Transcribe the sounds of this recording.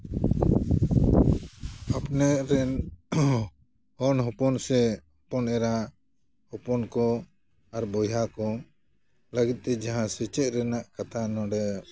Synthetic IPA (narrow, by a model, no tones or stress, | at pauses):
apnɛʔɾɛn | ɔnɦɔpɔnsɛ | pɔnɛɾa | hɔpɔnkɔ | aɾbɔjakɔ | laɡit̪̚ˀt̪ɛd͡ʒaɦãsɛt͡ʃɛʔ̪̚ɾɛnaʔkat̪ʰanɔɖɛ